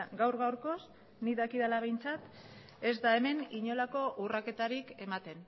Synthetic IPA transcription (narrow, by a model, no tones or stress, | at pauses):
ɡawɾɣawɾko̞s | niðakiðalaβ̞e̞jnt͡sat̪ | e̞zd̪ae̞me̞niɲo̞lako̞ʔurake̞t̪aɾike̞mat̪e̞n